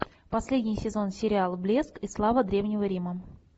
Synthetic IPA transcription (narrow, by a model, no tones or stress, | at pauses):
pɐsʲlʲedʲnʲɪjsʲɪzo̞nsʲɪɾʲɪalˠblʲeskislˠavəd̪ɾʲe̞vnʲɪvəɾʲimə